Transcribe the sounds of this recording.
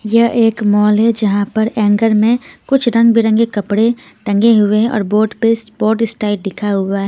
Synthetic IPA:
jɐɦʔeːkmɔːlɦɛd͡ʒɐɦãpɐɾɛ̃ːŋɡəɾmẽkʊt͡ʃʰɾɐ̃ŋɡbʱiɾɐ̃ŋɡekɐpɽe | ʈɐ̃ŋɡeɦʊeɦɛ̃ʔɔ̰ːɾboːʈbeːsboːʈɪsʈaːɪʈ̚ɖɪkʰaɦʊaɦɛː

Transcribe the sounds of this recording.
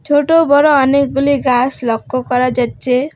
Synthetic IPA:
t͡sʰoʈobʌɾoʌnek̚ɡuliɡaslʌkːokʌɾad͡zat̪t͡sʰe

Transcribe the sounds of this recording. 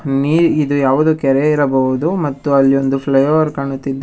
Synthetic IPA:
niːɾid̪ujaːʋud̪uːkɛɾeiɾɐbɐɦud̪umɐt̪ːuɐlːiond̪upʰlɐjɐʋɐɾkaːɳut̪ːid̪ː

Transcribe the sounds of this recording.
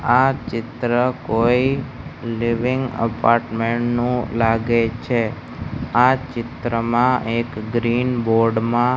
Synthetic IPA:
at͡ʃɪt̪ɾəkoi | liʋɪŋɡə̰paːɾʈmeɳʈnũlaɡet͡ʃʰe | at͡ʃɪt̪ɾəmãʔekɡɾinboɾɖmã

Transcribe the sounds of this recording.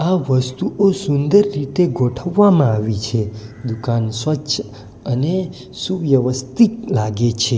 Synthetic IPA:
aʋəst̪uʔosund̪əɾːit̪eɡʱoʈʰəʋːamãaʋit͡ʃʰed̪ukansʋətːʃ | əne | suʋjəʋəst̪iklaɡet͡ʃʰe

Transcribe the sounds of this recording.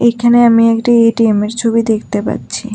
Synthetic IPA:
ejkʰaneamiɛkʈieʈiemeɾt͡ɕʰobid̪ekʰt̪epa̰tːt͡ɕʰi

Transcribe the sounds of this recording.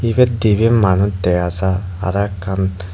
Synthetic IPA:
ibɛdibimanutɛjaza̰ː | ɾakːan

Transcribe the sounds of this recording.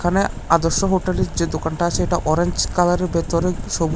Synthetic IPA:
kʰane | ad̪oɾʃːoɦoʈeleɾd͡ʑed̪okanʈaat͡ɕʰeeʈaʔɔɾeɲd͡ʑkalaɾeɾbet̪oɾeʃob

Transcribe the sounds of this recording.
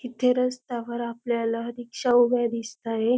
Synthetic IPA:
kit̪ʰeɾəst̪aʋəɾapljalaɦəɾikɕaubjad̪ist̪aɦe

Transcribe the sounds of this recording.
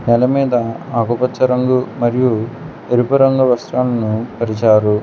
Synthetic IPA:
nɛlɐmiːd̪ɐaːɡupɐt͡ʃːɐɾɐŋɡumɐɾiju | eɾupɐɾɐŋɡɐʋɐsɾaːlɐnupɐɾit͡ʃaːɾu

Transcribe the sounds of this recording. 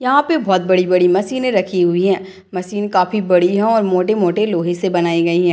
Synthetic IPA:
jɐɦãpebɔːt̪̚bɐɽibɐɽimɐsiːnẽɾɐkʰiɦʊiɦɛ̃ː | mɐsiːnkaːfibɐɽiɦɛ̃ɔːɾmoːʈemoːʈeloːɦesebɐnaːiɡɐiɦɛ̃ː

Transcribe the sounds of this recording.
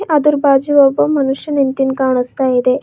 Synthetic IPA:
ʔɐd̪uɾbaːd͡ʒiʋɔbːɐmɐnuʂjɐnint̪inkaːɳ̃ust̪aːjid̪e

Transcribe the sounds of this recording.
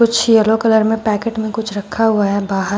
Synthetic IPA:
kʊt͡ʃʰjɐlokɐləɾmẽpɛːkeːʈmẽkʊt͡ʃʰɾɐkʰːaɦʊaɦɛbaːɦə

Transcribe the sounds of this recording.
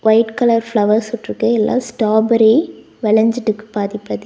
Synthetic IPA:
ʋɐɪʈkɐlɐɾfɭɐʋɐɾsɔʈːɾɯkːɯɛlːʔa̰ːsʈaːbɐɾi | ʋɛɭɐɲd͡ʒɪʈːɯkːɯ̥paːðɪpːɐðɯ

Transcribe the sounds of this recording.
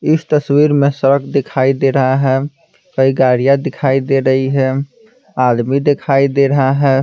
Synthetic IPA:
ɪst̪əswiɾmesəɾəkʰd̪ekʰaid̪eɾəɦaɦɛ | kəiɡaɾijad̪ɪkʰaid̪eɾəɦiɦɛ | ad̪mid̪ekʰaid̪eɾəɦaɦɛ

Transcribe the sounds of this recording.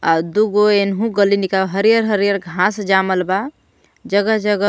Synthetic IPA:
ad̪uɡoenɦũɡəlinikaɦəɾijəɾɦəɾijəɾɡʱãsd͡ʒaməlba | d͡ʒəɡəɦd͡ʒəɡə

